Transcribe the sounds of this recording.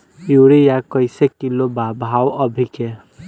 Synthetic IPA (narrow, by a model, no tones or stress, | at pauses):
juɽijakɔjsekilːobabʱawɔbʱike